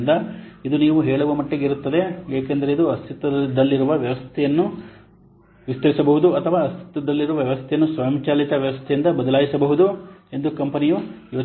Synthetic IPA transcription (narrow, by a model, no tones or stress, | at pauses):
nd̪ɐ | id̪uniːʋuɦɛːɭɐʋɐmɐʈːeɡeiɾut̪ːɐd̪e̞eːkend̪ɐɾe̞id̪uɐst̪it̪ɐd̪ɐlːiɾuʋɐʋjɐʋɐst̪ʰɛjɐnːu | ʋist̪ɐɾisɐbɐɦud̪uɐt̪ʰɐʋaːɐst̪ʰi̥t̪ɐd̪ɐlːiɾuʋɐʋjɐʋɐst̪ʰɛjɐnːusʋɐːɐmt͡ʃaːlit̪ɐʋjɐʋɐst̪ʰɛjind̪ɐbɐd̪ɐlaːɡisɐbɐɦud̪ue̞nd̪ukɐmpɐnijujoː